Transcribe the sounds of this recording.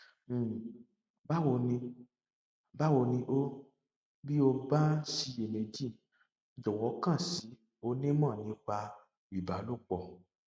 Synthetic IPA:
ba˦wo˧nĩ˧ | ba˦wo˧nĩ˧ʔo˦ | bi˦o˧ba˦ʃi˧e˨nẽ˧d͡ʒi˦˨ | d͡ʒɔ˨wɔ˨˦kã˦˨si˨˦ | o˧˦nĩ˦mãː˦˨nĩ˨˦k͡pa˧ | i˨ba˨˦lo˦˨k͡pɔ˧˨

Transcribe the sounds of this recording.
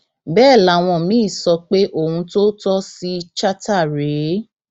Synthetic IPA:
bɛː˦˨la˨˦˨w̃ɔ̃˧˨mĩ˦˨sɔ˧k͡pe˦ʔo˦˨hũ˧to˦tɔ˦si˦˧t͡ʃa˦ta˦˨ɾe˨˦

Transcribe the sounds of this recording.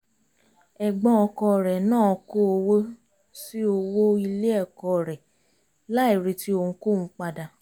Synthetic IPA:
ɛ˨ɡ͡bɔ̃˧ɔ˧kɔ˧˨ɾɛ˨nãː˦˨ɔ˧ko˦o˧wo˦ | si˦o˧wo˦i˧le˦ɛ˦˨kɔ˧˨ɾɛ˨ | la˦i˦˨ɾe˧ti˦o˧ũ˧˦ko˦˨ũ˦k͡pa˧da˧

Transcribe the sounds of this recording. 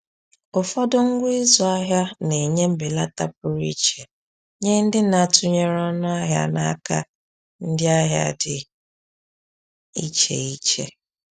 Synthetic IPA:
ʊ˨fɔ˦dɔ˦ŋ̩˦ɡʷi˦zɔ˨˦a˦ɦja˦ne˨ɲe˦m̩˦be˨la˦ta˦p̚ʊ˦ɾi˦t͡ʃe˨ | ɲe˦n̩˦dɪ˦na˨tʊ˦ɲe˦ɾɔ˦nʊ˦a˦ɦja̰˦na̰˦ka̰˦ | n̩˦dɪ˦a˦ɦja̰˦dɪ˨ | i˦t͡ʃḛ˨i˦t͡ʃḛ˦

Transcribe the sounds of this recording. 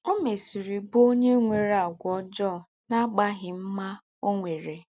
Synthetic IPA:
o˦me˨si˨ɾi˨bo˦ɲe˦ŋʷe˨ɾa˨ɡʷɔ˦d͡ʒɔ˦˨ | na˦ɡ͡ba˦ɦɪ˨m̩˦ma˦ | o˦ŋʷe˨ɾe˨

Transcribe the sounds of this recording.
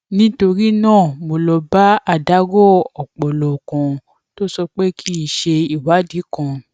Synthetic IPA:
nĩ˦to˧ɾi˦nãː˦˨mo˧lɔ˧ba˦a˦˨da˨˦ɡɔ˦ɔ˨k͡pɔ˨lɔ˨kã˧ | to˦sɔ˧k͡pe˦kʰi˦i˦˨ʃe˧i˨wa˨˦di˨˦kã˧

